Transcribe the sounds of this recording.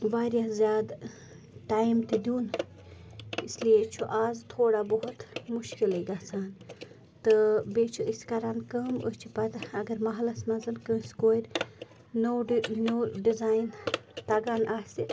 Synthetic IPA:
ʋaːɾjazʲjaːd̪ | ʈaːjmt̪id̪uːn | islijet͡ʃʰuʔaːzt̪ʰoːɽaboɦut̪muʃkileɡasaːn | t̪ɨbeːt͡ʃʰuiskɐɾankəːmo̰st͡ʃʰipɐt̪ɐɡɐɾmɐɦɐlɐsmɐnzɐnkə̃skoːjɾ | nonoːɖizaːjnt̪ɐɡaːnʔaːsi

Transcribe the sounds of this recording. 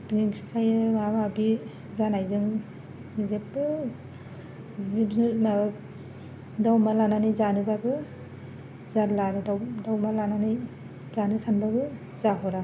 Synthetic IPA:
bniŋɡstɾajɯmamabi | zanajzɯŋ | zepːɯ | zibz | dawmalananijzanɯbabɯ | zaɾlaɾɯdadawmalanani | zanɯsanbabɯ | zaɦɔɾa

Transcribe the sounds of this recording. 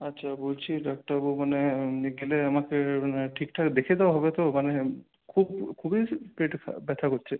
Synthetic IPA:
atːɕʰabolt͡ɕʰiɖɔk̚ʈabumaneiɡeleamakemaneʈʰikʈʰakd̪ekʰed̪ewaɦɔbet̪omane | kʰubkʰubipɾeʈkʰa̰bɛt̪ʰakoɾt͡ɕʰe

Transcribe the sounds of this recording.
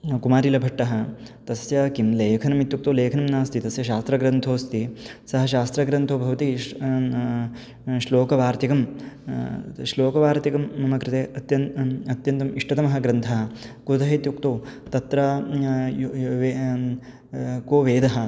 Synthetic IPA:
kumaːɾilɐbʱɐʈːɐɦɐ̆t̪ɐsjɐkimleːkʰɐnɐmit̪juk̚t̪oːleːkʰɐnɐmnaːst̪ʰit̪ɐsjɐʃaːst̪ɾɐɡɾɐnt̪ʰoːst̪isɐɦɐʃaːst̪ɾɐɡɾɐnt̪ʰoːbʱɐʋɐt̪i | ʃloːkɐʋaːɾt̪ikɐm | ʃloːkɐʋaːɾt̪ikɐmɐmɐkɾɪt̪eːɐt̪jɐnɐt̪jɐnt̪ɐmiʂʈɐt̪ɐmɐɦɐɡɾɐnt̪ʰɐɦɐ̆kud̪ɐɦit̪juk̚t̪oːt̪ɐt̪ɾɐ | ʋ | koːʋeːd̪ɐɦɐ̆

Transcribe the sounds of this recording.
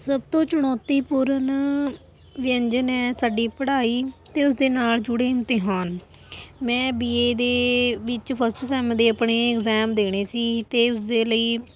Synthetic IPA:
səbt̪õːt͡ʃəɽ̃ɔːt̪iːpuːɾən | ʋɪjəɲd͡ʒənɛːsaːɖiːpəɽaːiːt̪eːʊsd̪eːnaːld͡ʒʊɽeːnt̪eːɦaːn | mɛ̃ːbiːeːd̪eːʋɪt͡ʃpʰəsʈsɛ̃ːmd̪eːəpɳeːɪkzɛːmd̪eːɽ̃eːsiːt̪eːʊsd̪eːləiː

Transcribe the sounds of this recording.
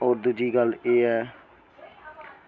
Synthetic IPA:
oːɾd̪ud͡ʒiːɡəleːɛː

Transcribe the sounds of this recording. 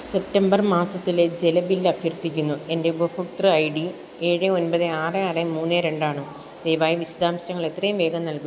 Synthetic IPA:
se̞p̚ʈɐmbɐrmaːsɐt̪ːiled͡ʑe̞lɐbilːɐbʱjɐrt̪ːikʲːunːue̞nde̞ubɐhukt̪rɨɐjɖi | eːɻɨo̞npɐðɨaːrɨaːrɨmuːnːɨɾe̞ɳɖaːɳɨ | d̪ejʋaːjɐʋiɕɐd̪ʱaːmɕɐŋːɐɭe̞t̪ːrɐjumʋe̞ːɡɐnnɐlku

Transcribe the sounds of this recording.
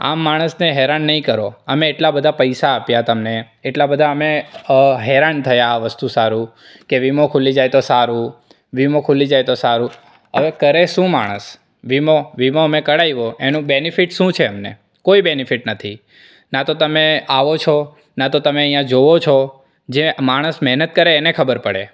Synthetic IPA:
a̰mːaɽ̃əsneɦɛɾanːəɦĩkəɾoəmeːʈlabəd̪ʱapəjsaːpjat̪əmneː | ʈlabəd̪ʱaəmeɦɛɾant̪ʰəjaːʋəst̪usaɾũ | keʋimokʰulid͡ʒajt̪osaɾũ | ʋimokʰulid͡ʒajt̪osaɾũ | ə̰ʋekəɾeʃũma̰ɽ̃ə̰s | ʋimoʋimoəmekəɽajʋoenũbenifiʈʃũt͡ʃʰeəmnḛ | koibenifiʈnət̪ʰi | nat̪ot̪əmeaʋot͡ʃʰɔ | nat̪ot̪əmeəjãd͡ʒoʋot͡ʃʰɔ | d͡ʒemaɽ̃əsmɛɦnət̪̚kəɾeːnekʰəbəɾpəɽḛ

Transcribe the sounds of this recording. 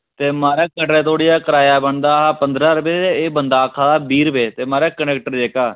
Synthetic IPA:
t̪eːmaːɾaːkəʈɾeːt̪ʰoːɽijaːkəɾaːjaːbəɳd̪aːɦaːpənd̪ɾaːɾəbeeeːbənd̪aːkʰːãːd̪aːbiːɾbeːt̪eːmaːɾaːkəɳɛːk̚ʈəɾd͡ʒeːkaː

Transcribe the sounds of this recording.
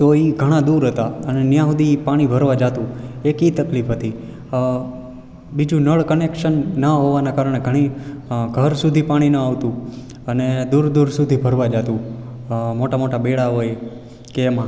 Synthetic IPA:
t̪oiɡʱəɽ̃ad̪uɾɦət̪aənenjãɦud̪ipaɽ̃ibʱəɾʋad͡ʒat̪ũekit̪əklifɦət̪i | bid͡ʒũnəɭkənekʃənːəɦoʋanakaɾəɳ̃eɡʱəɽ̃iɡʱəɾsud̪ʱipaɽ̃inəaʋt̪ũ | əned̪uɾd̪uɾsud̪ʱibʱəɾʋad͡ʒat̪ũ | moʈamoʈabeɭaɦoe | keːmã

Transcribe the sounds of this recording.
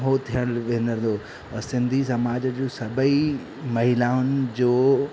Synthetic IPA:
ɦot̪ʰijəɽ̃ʋẽːnd̪əɾ̃nd̪o | ɛ̃sɪ̃nd̪ʱisɐmaːd͡ʑəd͡ʑoːsɐbʱəi | mɐɦɪlaːʊnɪ̆d͡ʑoː

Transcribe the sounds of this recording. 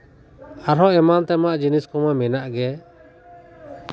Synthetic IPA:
aɾɦɔʔɛmant̪ɛmaʔd͡ʒiniskɔmamɛnaʔɡɛ

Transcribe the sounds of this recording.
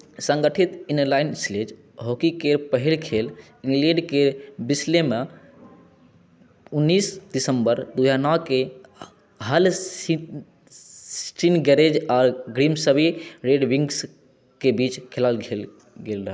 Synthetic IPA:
sə̃ŋɡəʈʰit̪inlaɪnsled͡ʒ | ɦokikepəɦilkʰel | ĩŋɡlẽɖkebisleme | unːisdisəmbəɾd̪ujanɔke | ɦəl | sʈinɡɛɾed͡ʒɔːɾɡɾimsəbʱiɾeɖʋiŋɡs | kebit͡ʃkʰelalɡel | ɡelɾəɦɛ

